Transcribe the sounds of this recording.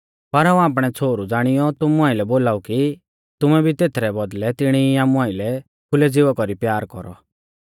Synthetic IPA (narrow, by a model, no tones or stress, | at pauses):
pɐɾɦãʊ̃aːp̬ɽ̃ɛt͡sʰoːɾud͡zaːɽ̃ɪjɔt̪ʊmuaːɪlɛboːlaːuki | t̪ʊmɛbʱit̪eːt̪ʰɾɛbɔd̪lɛt̪ɪɽ̃iaːmʊ̃aːɪlɛ | kʰʊlɛd͡zɪʋɔkɔɾipjaːɾkɔ̰ɾɔ